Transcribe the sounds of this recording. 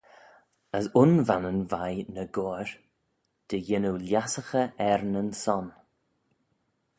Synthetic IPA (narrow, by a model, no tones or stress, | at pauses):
əsʊnvanənvajnəɡoːɹ | d̪̥əjɪnuljasəxəɛɾnənsɔn